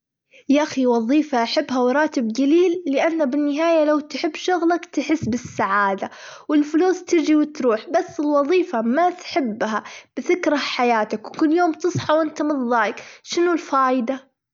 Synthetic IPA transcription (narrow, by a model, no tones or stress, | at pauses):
jaʔaxiwɑðˤiːfaʔaħabːɦawɾˤɑːt̪ɪbɡaliːlːɪʔanːabɪnːɪɦaːjalawt̪ħɪbːʃʊɣlakt̪ɪħɪsːbɪsːaʕaːd̪a | wɪlfʊluːst̪ɪɾd͡ʒiwɪt̪ɾuːħbasːɪlwɑðˤiːfamat̪ħɪbːɦab̥ɪθɪkɾˤaħajaːt̪akwkʊlːjoːmt̪ɨsˤħɑwʔɪnt̪amɨðˤːɑːkʃɪnulfaːjɪd̪a